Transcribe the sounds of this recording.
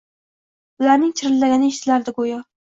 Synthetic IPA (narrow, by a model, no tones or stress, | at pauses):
ʊlaɾnɪŋt͡ʃʰɪɾɪlːaɡʲanɪʃt͡ʃ̪ʰɪlaɾd̪ɪɡojɒ